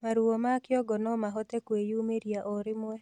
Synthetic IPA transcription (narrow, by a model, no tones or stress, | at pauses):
maɾuomakɪɔɡɔnɔmaɦɔt̪ekwejumeɾiaʔɔɾɪmwɛ